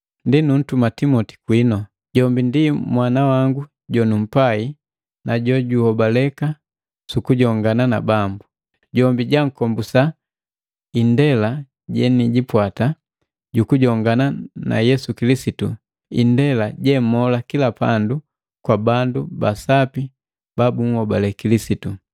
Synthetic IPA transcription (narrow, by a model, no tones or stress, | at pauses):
ndinun̩tumatimɔti̥kwinɔ | ɟɔmbindimwanawaŋɡu | ɟɔnum̩pai | naɟɔɟuhɔbalɛka | sukuɟɔŋɡanana̰bambu | ɟɔmbiɟaŋ̩kɔmbusa | indɛla | ɟɛniɟipwata | ɟukuɟɔŋɡanana̰jɛsukilisitu | ḭndɛlaɟɛm̩mɔlakilapandu | kwabandubasapi | b̥abuŋ̩hɔbalɛkilisitu